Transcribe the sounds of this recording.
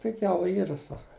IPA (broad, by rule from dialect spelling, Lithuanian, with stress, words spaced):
pʲɪˈɡʲɛʊ ˈiːrɐ ˈsɑːkɐ